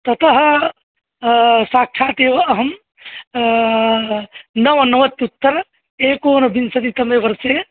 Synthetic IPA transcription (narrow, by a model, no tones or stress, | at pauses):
t̪ɐt̪əɦ | sak̚t͡ʃʰat̪eʋɐɦəm | nəʋɐnəʋət̪ːut̪ːəɾ | ekonɐbinsɐt̪it̪ɐmebɐɾse